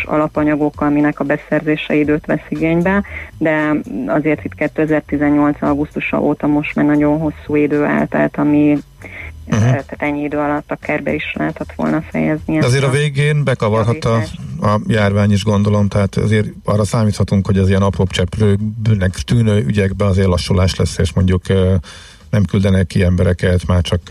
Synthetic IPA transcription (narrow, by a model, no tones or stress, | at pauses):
ʃɒ̰lɒpɒɲɒɡo̞kːɒminɛkɒbɛsɛrzeːʃɛid̪øːt̪ʋɛ̰siɡeːɲbɛd̪ɛɒzeːrt̪it̪kɛt̪ːøːɛzɛrt̪izɛɲːo̞lt̪sɒɡust̪uʃɒ̰ʔoːt̪ɒmo̞ʃt̪maːrnɒɟo̞nɦo̞sːuːid̪øːa̰ːlt̪ɛ̰lt̪ɒmi | ɦt̪aːt̪ɛɲːiid̪øːɒlɒt̪ːɒkɛrbɛ̰iʃlɛ̰ɦɛt̪ɛt̪ʋo̞̰lnɒfɛ̰jɛzniɛɒzeːɾɒveːɡeːnbɛkɒvɒrɦɒɒɒjaːrvaːɲiʒɡo̞nd̪o̞lo̞mt̪ɛɦaːt̪ɛ̰zeːɾɒrːɒsaːmiːt̪hɒt̪uŋkho̞ɟɛziɛnɒproːpt͡ʃɛpløːbnɛkt̪yːnøːʔyɟɛɡbɛɒzeːrlɒʃːulaːʃlɛsːeːʃmo̞ɲɟukø | nɛmkyld̪ɛnɛkːiɛmbɛɾɛkɛt̪maːrt͡ʃɒk